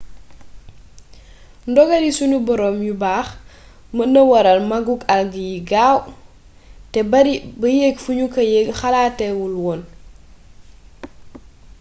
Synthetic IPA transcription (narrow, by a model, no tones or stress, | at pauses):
ndɔɡɐdisunubɔɾɔːmjubaːx | mənɐwɐɾɐlmɐɡuɡɐlɡijiɡaːw | tɛbɐɾibɐjeːɡfuɲukɐjeɡxalaːtːɛwulwɔːn